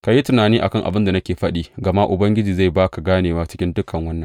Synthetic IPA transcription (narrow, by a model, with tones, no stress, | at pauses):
ka˨ji˦tʊ˨naː˨niː˦ʔa˨kɐ˦˨ŋʔa̰˨bɪ˦nda˨nɐ˦kʲeː˨ɸɐ˦ɗiː˦ɡɐ˨ma˦ʔʊ˨bɐ˦ŋɡʲɪ˦d͡ʒiː˨za˦˨jbaː˦ka˨ɡaː˦neː˨waː˦t͡ʃɪ̥˦kʲɪ˦ndʊ˦kʰɐ˨ŋwɐ˦nːɐ˨ŋ